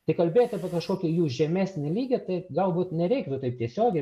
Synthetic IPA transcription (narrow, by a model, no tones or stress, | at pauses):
t̪ɐɪkɐlʲbʲeːjoːt̪ɐpʲɐkɐʃkoːkʲɛjuːʒʲɛmʲæːsʲnʲɪlʲiːɡʲɛt̪ɐɪɡɐlˠbuːt̪nʲɛɾʲɛɪkt̪ʊt̪ɐɪp̚t̪ʲiɛsʲoːɡʲɛɪ